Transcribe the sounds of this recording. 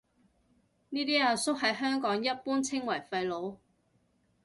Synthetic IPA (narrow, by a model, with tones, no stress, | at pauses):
niː˥t̪iː˥aː˨˩sʊ˥k̚ɦɐ˨˥jɦœː˥ŋkɔː˨˥ŋjɐ˥t̚puː˥nt͡sʰɪ˥ŋwɐ˨˩jfɐ˧jlo˨˥w